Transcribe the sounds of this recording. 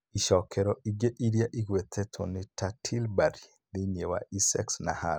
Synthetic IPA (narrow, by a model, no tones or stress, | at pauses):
iʃɔkʰɛɾɔiɡeʔiɾjaʔiɡwet̪ʰɛtʰɔnɪtatʰilbaɾi | lɪɲewa̰ʔisɛksna̰ha